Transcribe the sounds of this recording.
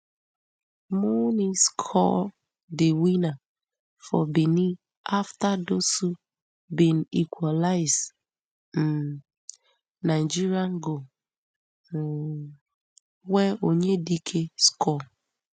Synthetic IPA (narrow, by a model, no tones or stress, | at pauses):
mɔniskʰɔ̰ | dɪwina | fɔ̰bini | aftadosu | bin̩ikʷalaɪz | m̩ | naɪd͡ʒiɾiaŋ̩ɡo | weoɲedikʰeskʰɔ